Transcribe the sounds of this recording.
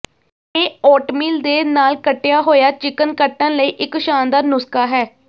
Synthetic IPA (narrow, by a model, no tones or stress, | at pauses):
eːɔːʈmiːld̪eːnaːlkəʈːejaːɦoːjaːt͡ʃɪkənkəʈːə̃nləiːʔɪkʃaːnd̪aːnʊskaːɦɛː